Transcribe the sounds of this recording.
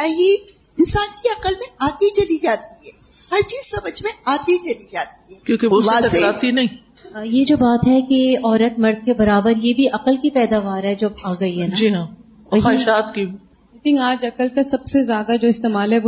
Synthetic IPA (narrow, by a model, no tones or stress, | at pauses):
aːɦi | ɪnsaːnkiɐqəlmẽaːt̪it͡ʃɐlid͡ʒaːt̪iɦɛː | hɐɾt͡ʃiːzsɐməd͡ʒʱmẽaːd̪it͡ʃɐlid͡ʒaːt̪iɦɛːkjõːkeosasɐɾaːt̪iɦɛnɐɦĩː | jed͡ʒoːbaːt̪ɦɛkeɔːɾət̪̚mɐɾd̪̚kebɐɾaːbəɾjebʱiʔɐqəlkipɛːd̪aːʋaːɾɦɛd͡ʒoːaːɡɐiɦɛːnad͡ʒiɦã | ɐɦaːʃaːt̪ki | ek̪ɪ̃ŋɡaːd͡ʒɐkəlkasɐbsezjaːd̪ad͡ʒoːɪst̪eːmaːlɦɛ